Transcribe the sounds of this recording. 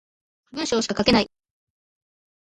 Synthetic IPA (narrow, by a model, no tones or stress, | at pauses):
bɯ̟ɰ̃ɕoːɕi̥kḁkake̞nai